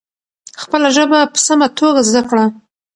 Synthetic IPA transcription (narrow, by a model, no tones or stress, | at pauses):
xpəlaʒəbapə̥samat̪ʰoɡazd̪akɽa